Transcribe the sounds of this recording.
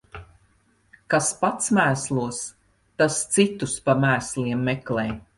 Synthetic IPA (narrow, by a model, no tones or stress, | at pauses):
kaspat̪smæːslˠuɔs | t̪ast̪sit̪uspamæːsliɛmːɛklɛːj